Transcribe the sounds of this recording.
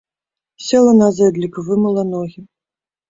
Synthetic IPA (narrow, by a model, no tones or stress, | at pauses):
sʲɛlˠɐnazɛd̪lʲikvɨmɨlˠɐnɔɣʲi